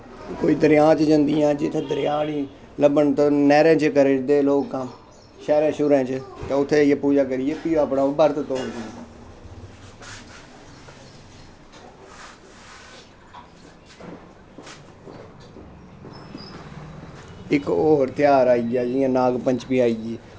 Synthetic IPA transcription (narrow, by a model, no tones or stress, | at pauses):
koːiːd̪əɾɪjãːt͡ʃd͡ʒə̃nd̪ijãːd͡ʒɪt̪ʰːẽːd̪əɾɪjãːniː | ləbəɳt̪onɛːɾẽːt͡ʃkəɾɪd̪eːloːkːãm | ʃɛːɾẽːʃʊɾɛ̃ːt͡ʃt̪ãːʊt̪ʰːeiaːpuːd͡ʒaːkəɾiːjeːpiːaːpɳaːoːbəɾt̪t̪oːd͡ʒ̪i | ɪkoːɾt̪ɪjaːɾaːiːɡjaːd͡ʒɪjãːnaːɡpəɲt͡ʃpĩːaːiːɡiː